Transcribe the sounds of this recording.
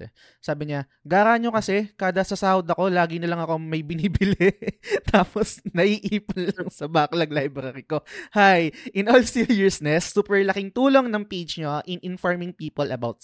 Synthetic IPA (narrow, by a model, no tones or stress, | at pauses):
t̪ɛ̰ | saːbɪɲa | ɡaːɾaːɲo̞kɐsɛkaːd̪ɐsɐsaːwd̪ɐko̞laːɡɪnɐlɐŋɐko̞mɐjbɪniːbɪlɛt̪ʰaːposnɐʔiʔiːpʊnlɐŋsɐbaklɐɡlajbɾɐɾɪko̞hajʔɪnʔolsijɪɹsnɛsːuːpɛɹlɐkɪŋt̪uːlo̞ŋnɐŋpejd͡ʒɲoʔɪnʔɪnfoɹmɪŋpiːpɐlɐbawt̪